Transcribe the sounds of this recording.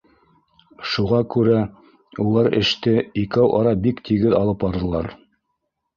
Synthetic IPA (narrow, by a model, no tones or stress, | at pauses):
ʃuʁɑkʉɾæ | ulˠɑɾɘ̰̆ʃt̪ɘikæwʔɑɾɑbikt̪ʰiɡɘðɑlˠɤpɑɾðɤ̆lˠɑɾ